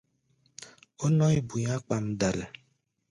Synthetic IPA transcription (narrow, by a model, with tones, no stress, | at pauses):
o˦nɔ˦i˦bu˨ɲa˦k͡pa˨m̩˦da˨la˨